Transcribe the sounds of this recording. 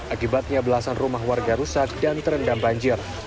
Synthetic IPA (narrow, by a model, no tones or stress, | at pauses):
ʔakibat̪̚ɲabəlasanrumahwarɡaɾusat̪̚dant̪əɾəndambaɲd͡ʒɪr